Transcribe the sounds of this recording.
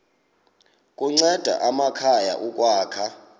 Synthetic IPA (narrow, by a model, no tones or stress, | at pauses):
kʼuŋ͡ǀɛd̥ʱa̰ʔamakʰaja̰ʔuk̬ʼwaːkʰa